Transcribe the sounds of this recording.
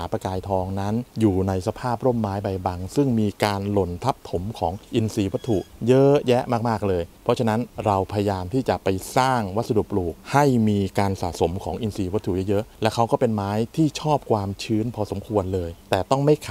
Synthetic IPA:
aː˩˦pɾa˧kaː˧jt̪ʰɔː˧ŋna˦˥njuː˨˩na˧jsa˧pʰaː˥˩p̚ɾo˥˩mːaː˦˥jba˧jba˧ŋsɯ˥˩ŋmiː˧kaː˧nlo˧nt̪ʰa˦˥p̚t̪ʰo˩˦mkʰɔː˩˦ŋʔi˧nsiː˧wa˦˥t̪ʰːu˨˩ʔjɤ˦˥jɛ˦˥ʔmaː˥˩k̚maː˥˩k̚lɤː˧jpʰɾɔ˦˥t͡ɕʰa˧na˦˥nɾa˧wpʰa˧ja˧jaː˧mt̪ʰiː˥˩t͡ɕa˨˩pa˧jsaː˥˩ŋwa˦˥t̪̚sa˧du˨˩pluː˨˩k̚ha˥˩jmiː˧kaː˧nsaː˨˩so˩˦mkʰɔː˩˦ŋʔi˧nsiː˧wa˦˥t̪ʰːu˨˩jɛ˦˥jɤ˦˥ʔlɛ˦˥kʰa˦˥wkɔː˥˩pe˧nmaː˦˥jt̪ʰiː˥˩t͡ɕʰɔː˥˩p̚kʰwaː˧mt͡ɕʰɯː˦˥npʰɔː˧so˩˦mkʰu˧ənlɤː˧jt̪ɛː˨˩t̪ɔ˥˩ŋma˥˩jkʰ

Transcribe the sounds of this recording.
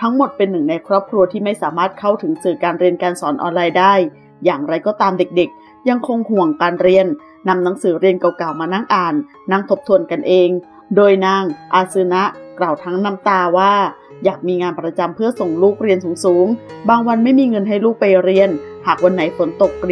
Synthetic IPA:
t̪ʰa˦˥ŋmo˨˩t̪̚pe˧nːɯ˨˩ŋna˧jkʰɾɔː˥˩p̚kʰɾu˧ɐt̪ʰiː˥˩ma˥˩jsaː˩˦maː˥˩t̪̚kʰa˥˩wt̪ʰɯ˩˦ŋsɯː˨˩kaː˧nɾi˧ənkaː˧nsɔː˩˦nʔɔ̰ː˧nlaː˧jdaː˥˩j | jaː˨˩ŋɾa˧jkɔː˧˥˩t̪aː˧mde˨˩k̚de˨˩k̚ | ja˧ŋkʰo˧ŋhu˨˩əŋkaː˧nɾi˧ənː | a˧mna˩˦ŋsɯː˩˦ɾi˧ənka˨˩wkaː˨˩wmaː˧naː˥˩ŋʔaː˨˩nː | a˥˩ŋt̪ʰo˦˥p̚t̪ʰu˧ənka˧nʔeː˧ŋ | doː˧jna˧˩ŋʔaː˧˩sɯ˧na˦˥ʔklaː˨˩wt̪ʰa˦˥ŋna˦˧˥mt̪aː˧waː˥˩ | jaː˨˩k̚miː˧ŋaː˧npɾa˧t͡ɕa˧mpʰɯ˥˩ɐso˨˩ŋluː˥˩k̚ɾi˧ənsuː˩˦ŋsuː˩˦ŋbaː˧ŋwa˧nma˥˩jmiː˧ŋɤ˧nɦa˥˩jluː˥˩k̚pa˧jɾi˧ənhaː˨˩k̚wa˧nːa˨˩˦jfo˩˦nt̪o˨˩k̚

